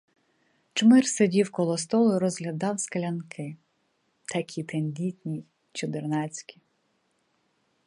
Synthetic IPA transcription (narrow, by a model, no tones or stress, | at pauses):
t͡ʃmɪrsedʲiwkɔlˠɔst̪ɔlˠʊɾɔzɦlʲɐd̪ɑwskɐlʲɐnkʰɪ | t̪ɐkʲʰit̪enʲd̪ʲitʲnʲi | t͡ʃɔd̪ɪrnɑt͡sʲkʲi̥